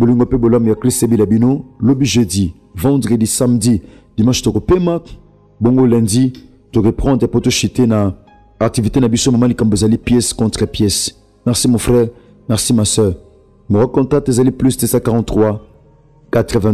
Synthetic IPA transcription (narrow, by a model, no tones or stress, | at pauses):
boliŋɡopebolamojakissebilabinolobiʒødi | vɑ̃dʁedisamdi | d̥imɑ̃ʃt̪okopema | boŋɡolɛ̃ndi | t̪okepχɑ̃nd̪ʁepot̪oʃitena | ak̚tivitenabisomamalikãmboezalipjɛskɔ̃tχəpjɛs | mɛʁsimɔ̃fʁɛʁ | mɛʁsimasœʁ | moʁakɔ̃tat̪ezaliplystesakaʁɑ̃ntχwa | kat̪ʁəvɛ̃